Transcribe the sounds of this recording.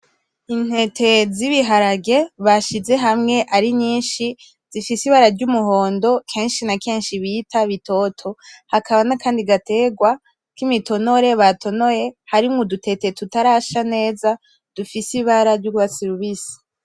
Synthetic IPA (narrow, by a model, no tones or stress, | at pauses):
in̥he̞tʰe̞ziβiɦaɾaɡe̞βaʃize̞ɦamŋe̞ʔaɾiɲiːnʃi | z̥ifisiβaɾaɾɟumuɦo̞ːndo̞kʰe̞ːnʃinake̞ːnʃiβitʰaβitʰo̞tʰo̞hakʰaβanakaːndiɡate̞ɡwa | kimito̞no̞ɾe̞βatʰo̞no̞jehaɾimŋodutʰe̞tetutaɾaʃane̞ːza | d̥ufisiβaɾaɾɟuɡwβasiɾiβisi̥